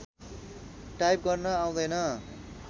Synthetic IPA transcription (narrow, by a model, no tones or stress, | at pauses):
ʈajp̚ɡʌrnʌaw̃d̪ʌjnʌ